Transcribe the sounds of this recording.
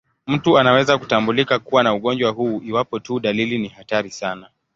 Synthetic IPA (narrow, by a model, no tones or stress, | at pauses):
m̩tuanawɛzakutambulikakuwanauɠɔnd͡ʒwahuːʔiwapɔtuɗalilinihataɾisana